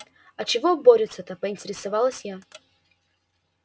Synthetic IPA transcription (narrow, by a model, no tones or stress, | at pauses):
ɐt͡ɕɪvoboɾʲɪt̪sət̪əpəɪnʲtʲɪɾʲɪsɐvalˠəsʲja